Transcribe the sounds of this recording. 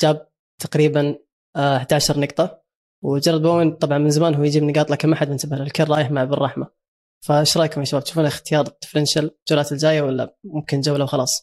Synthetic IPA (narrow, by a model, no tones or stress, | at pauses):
d͡ʒaːb̚ | t̪ʰaqɾiːban | ħad̪aʕaʃɑɾˤnɑqt̪ˤɑ | wd͡ʒɑrˤːɑd̪̚ˤbawɪnt̪ˤɑbʕɑnmɪnzamaːnhuwːjd͡ʒiːbnɪɡɑːt̪ˤlakamʔaħad̪mɪntsabahlɪlkɪrˤɑːjɪħmaʕbɪrˤːɑħma | faʃɾˤɑːkʊmaʃabaːb̚t̪ʃufuːnaxt̪ɪjɑːɾˤt̪ːˤɪ̥flɪnʃald͡ʒuːlaːt̪ɪld͡ʒaːjawɪlːa̰mʊmkɪnd͡ʒawːlawxɑlɑːsˤ